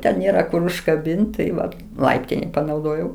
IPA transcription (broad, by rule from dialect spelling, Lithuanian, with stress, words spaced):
ˈtʲɛn nʲeːˈrɐ kʊr ʊʃkɐˈbʲɪnʲtʲ tɐɪ ˈʋɐ ˈlˠɐɪpʲtʲɪnʲɛɪ pɐnɐʊˈdoːjɛʊ